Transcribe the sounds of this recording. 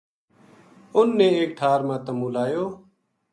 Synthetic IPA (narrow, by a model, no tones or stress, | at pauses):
ʊnːẽːeːkʈʰaːɾmãːt̪əmũːlaːjoː